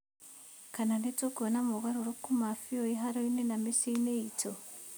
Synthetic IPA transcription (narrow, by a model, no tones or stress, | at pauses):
kananetoɡonamoɣaɾuɾokumafiojiɦaɾoinenamisiineito